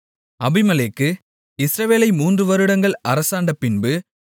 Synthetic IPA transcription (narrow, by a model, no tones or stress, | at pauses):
ɐbɪmɐleːkːɯ | ɪsɾɐʋeːlɐɪmuːndrɯʋɐɾɯɽɐŋɡɐɭɐɾɐsaːɳɖɐpɪnbɯ